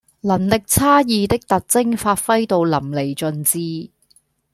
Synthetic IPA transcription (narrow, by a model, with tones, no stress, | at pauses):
lɐ˨˩nlɪ˨k̚t͡sʰaː˥jiː˧t̪ɪ˥k̚t̪ɐ˨t̚t͡sɪ˥ŋfaː˧t̚fɐ˥jt̪o˧wlɐ˨˩mle˨˩jt͡ʃɵ˧nt͡siː˧